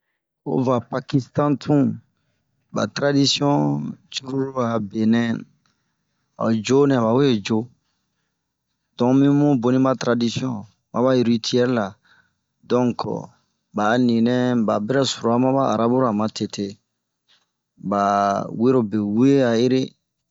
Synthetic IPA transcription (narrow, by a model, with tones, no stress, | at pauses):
o̰˦va˨pa˨ki˦stã˦tʰũ˦ | ba̰˨tɾa˦di˦si˦ɔ̃˦t͡ʃu˦ɾu˦ɾu˦a˨be˨nɛ̃˦ | a̰˨d͡ʒo˦nɛ̃˨ba˨wo˦je˨d͡ʒo˦ | d̥ɔ̃˨mĩ˦mũ˦bo˨nĩ˦ma˦tɾa˨di˦si˦ɔ̃˦ | mʔã˦ba˦ji˨ɾi˦tʰi˦ɛ˦ɾla˨ | dɔ̃˦ŋk | ba˨nĩ˨nɛ̃˦ba̰˨bɛ˦ɾɛ˦su˨ɾo˨a˦mã˦ba˦a˨ɾa˦bu˦ɾa˨mã˨te˨tʰe˦ | ba˨we˦ɾo˨be˨we˦a˨je˦ɾe˦